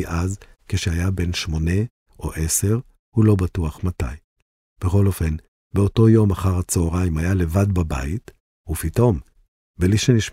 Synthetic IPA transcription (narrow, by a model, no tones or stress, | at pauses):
ʔazkeʃehajabe̞nʃmo̞ne̞ | ʔo̞ʔese̞ʁ | hulo̞batuaχmata̰j | b̥eχo̞lo̞fe̞n | beoto̞jo̞maχaʁat͡soːʁaimajale̞vadbaba̰it | upito̞m | beliʃeniʃ